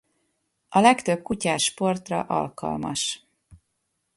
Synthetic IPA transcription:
ɒlɛkt̪øb̚kucaːʃpo̞rt̪rɒ̰ʔɒ̰lkɒ̰lmɒ̰ʃ

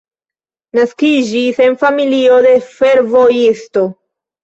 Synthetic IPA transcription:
naskid͡ʒise̞nfamilio̞de̞fe̞ɾvo̞jisto̞

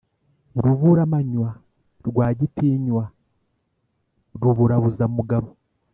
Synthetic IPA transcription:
ɾuβuɾamaɲwa | ɾɡwaːɟitiːɲwa | ɾuβuɾaβuzaumuɡaβo

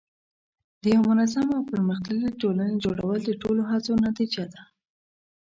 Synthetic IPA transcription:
d̪əjawamʊnazamawpəɾməxt̪aliʈolaned͡ʒoɽa̰wəld̪əʈoloɦat͡sonat̪id͡ʒad̪a

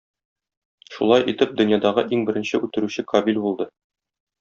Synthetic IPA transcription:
ʃṵlˠɑjʔit̪ɘp̚d̪ɵ̆njɑd̪ɑʁɤʔiŋbɘ̆ɾɘ̆nɕɘʉt̪ɘ̆ɾʉɕɘkɐbilʲbulˠd̪ɤ

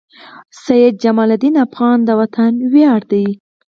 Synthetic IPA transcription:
sajɪd̪̚d͡ʒamɑlad̪inafɣɑnd̪əwat̪ʰanwjɑɽd̪aj

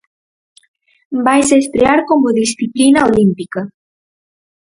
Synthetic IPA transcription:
bajseːst̪ɾeaɾkomoðisθiplinɐolimpikɐ

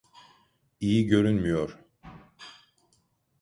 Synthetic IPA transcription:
ijiɟø̞ɾynmyjoɾ̥

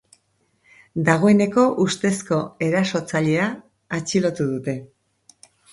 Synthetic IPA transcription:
d̪aɣ̞o̞e̞ne̞ko̞ʔust̪e̞sko̞e̞ɾaso̞t͡saʎe̞aː | t͡ʃilo̞t̪uðut̪e̞

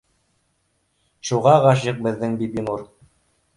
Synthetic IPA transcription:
ʃuʁɑʁɑʃ̬jɤq̚bɘ̆ðːɘŋbibinuɾ

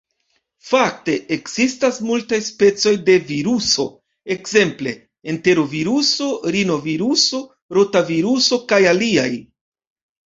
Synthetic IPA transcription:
fak̚te̞ʔekz̥istasmultajspe̞t͡so̞jde̞viɾuso̞ | e̞kze̞mple̞̰ | ente̞ɾo̞viɾuso̞ɾino̞viɾuso̞ | ɾo̞taviɾuso̞kajaliaj

